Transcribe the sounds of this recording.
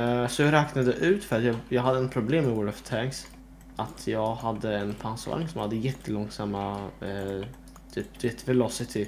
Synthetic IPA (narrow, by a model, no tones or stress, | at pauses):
sɔjɑɾɛːknad̪əʔʉ̟ːt̪fœɾat̪jɑːjɑːɡɦad̪ːəɛnpʰɾʊbleːmːɛwɔɖɔft̪ʰæks | ʔat̪ʰjɑːɡhad̪ːəɛnpʰansa̰ŋsɔmhad̪ːəjɛt̪ːəlɔŋsamːa | t̪ʰyp̚d̪vet̪ːvɛlɔsɪt̪ʰɪ